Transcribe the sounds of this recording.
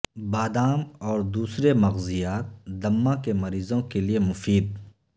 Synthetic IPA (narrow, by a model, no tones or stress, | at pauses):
baːd̪aːmɔːɾd̪uːsɾemɐɣzɪjaːt̪̚d̪ɐmːakemɐɾiːzõkeliemʊfiːd̪̚